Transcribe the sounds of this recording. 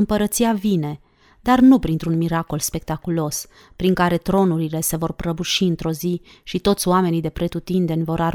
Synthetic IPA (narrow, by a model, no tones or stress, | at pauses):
ɨmpəɾət̪siavine̞ | d̪arnupɾint̪ɾunmiɾako̞lspe̞k̚t̪akulo̞s | pɾiŋkaɾe̞t̪ɾo̞nuɾile̞se̞vo̞rpɾəbuʃiɨnt̪ɾo̞zi | ʃit̪o̞t̪sʲoame̞nid̪e̞pɾe̞t̪ut̪ind̪e̞nʲvo̞ɾaɾ